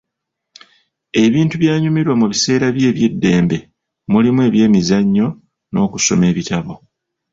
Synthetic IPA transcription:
e̞βiːntuβjaːɲumiɾwamuβise̞ːɾaβje̞ːβje̞dːe̞ːmbe̞ | mulimwe̞ːβje̞ːmizaɲːo̞ | no̞̰ːkuso̞̰me̞ːβitaβo̞

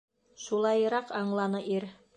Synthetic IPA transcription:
ʃulˠɑjɾɑqɑɴlˠɑnɤʔiɾ

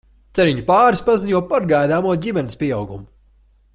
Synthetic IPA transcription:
t̪sɛɾiɲupaːɾispaziɲuɔpaɾɡajd̪aːmuɔɟʲimɛnispʲiɛawɡumu

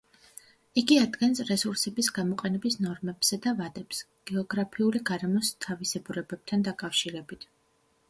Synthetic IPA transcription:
iɡiad̪ɡɛnsɾɛsuɾsɛbisɡamɔqʼɛnɛbisnɔɾmɛb̥z̥ɛd̪avad̪ɛps | ɡ̥ɛɔɡɾapʰiuliɡaɾɛmɔst̪ʰavisɛbuɾɛbɛb̥̚t̪ʰand̪akʼafʃiɾɛbit̪ʰ

